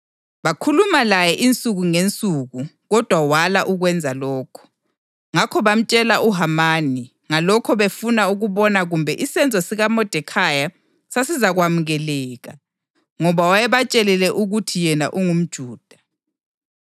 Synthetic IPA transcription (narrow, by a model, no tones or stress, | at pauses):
βakʰulumalajɛʔint͡sʼuɣuŋent͡sʼuɣu | ɣɔd̥ʱwawalaʔuɣwɛnd͡zʱalɔːkʰɔ̥ | ŋakʰɔβam̩t͡ʃʼɛlaʔuɦamaːni | ŋalɔkʰɔβefunauɣuβɔnaɣumbʱɛʔisɛnd͡zʱɔsiɣamɔd̥ʱɛkʰaja | sasizaɣwamuɣɛlɛːɣa | ŋɔβawajɛβat͡ʃʼɛlɛlɛʔuɣutʰijɛna̰ʔuŋum̩d̥ʒ̥ʱuːd̥ʱḁ